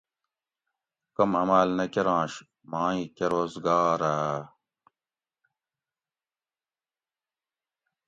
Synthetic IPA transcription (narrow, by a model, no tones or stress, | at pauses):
kɐmɐmaːlnɐkeɾãːɕ | maːĩkeɾoːzɡaːɾaː